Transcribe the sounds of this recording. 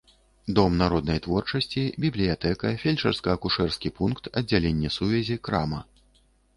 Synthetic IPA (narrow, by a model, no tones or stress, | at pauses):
d̪ɔmnaɾɔd̪nɐjt̪vɔrt͡ʂɐsʲt͡sʲibʲiblʲijat̪ɛkɐfʲelʲt͡ʂɛrskɐɐkuʂɛrskʲipunkt̪ɐd͡zʲːalʲenʲːɛsuvʲɛzʲikɾa̰mɐ